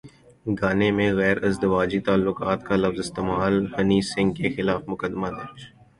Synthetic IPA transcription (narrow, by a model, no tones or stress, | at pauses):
ɡaːnemẽɣɛːɾɐzd̪ɪʋaːd͡ʒit̪aːlːʊkaːt̪kalɐfzɪst̪eːmaːlhɐniːsɪ̃ŋɡkexɪlaːfmʊkəd̪mad̪ɐɾt͡ʃ